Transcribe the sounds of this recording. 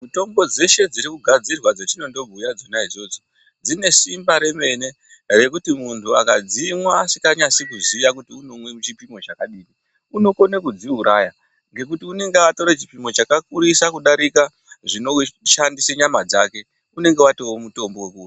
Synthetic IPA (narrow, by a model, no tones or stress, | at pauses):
muto̞mbo̞d͡ze̞ʃe̞d͡ziɾikuɡʱad͡zirwad͡zetino̞ndo̞bʱujad͡zonaid͡zo̞ːd͡zo | d͡zine̞simbaɾe̞me̞ne̞ | re̞kutimuntʰuakad͡zimwaːsikaɲasikuzijakutiuno̞mwe̞mut͡ʃipimo̞t͡ʃakaɗiːni | uno̞ko̞nekud͡ziɦuɾaja | ŋɡe̞k̬utiune̞ŋɡewato̞ɾet͡ʃipimo̞t͡ʃakakuɾisakuɗaɾika | ʐino̞ʃandiseɲamad͡za̰ke̞ | une̞ŋɡe̞watowomuto̞mbo̞wekua